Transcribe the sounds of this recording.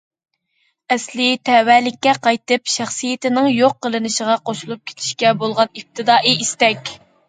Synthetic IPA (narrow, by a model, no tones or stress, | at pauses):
ɛslɪt̪ʰɛwɛlɪkʲːɛqʰɑjt̪ɨpʃæχsɨjɪt̪ɪnɪŋjoqːəlˠɨnɨʃəʁɑqʰoʃulˠup̚kʲʰe̥t̪ʰɪ̥ʃkʲɛbolˠʁɑnip̚t̪ʰɨd̪ɑːʔiist̪ɛkʲ